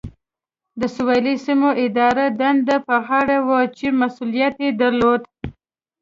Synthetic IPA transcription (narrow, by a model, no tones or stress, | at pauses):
d̪əsʊwɑlisimoʔɪd̪ɑɾad̪and̪apəɣɑɽawat͡ʃimasulijat̪ed̪aɾlod̪